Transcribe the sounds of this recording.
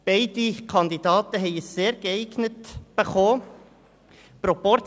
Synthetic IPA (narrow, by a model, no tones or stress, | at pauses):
b̥ɛɪd̥̪ikʰɑnd̪id̪ɑːt̪əɦɛɪəsːeːɾɡəɛɪɡnətb̥eχoː | pɾɔpɔɾ